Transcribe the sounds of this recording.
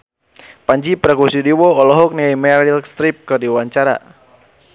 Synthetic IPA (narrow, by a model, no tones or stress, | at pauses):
paɲd͡ʒipɾakusidiwɔɔlɔɦɔk̚niajmɛɾilst̪ɾip̚kɨrdiwaɲt͡ʃaɾa̰